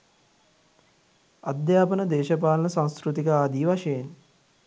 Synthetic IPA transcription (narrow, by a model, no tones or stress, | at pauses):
ɐd̪jaːpənəd̪eːʃɐpaːlɐnəsãnskɾut̪ikəaːd̪iːʋɐʃɐjen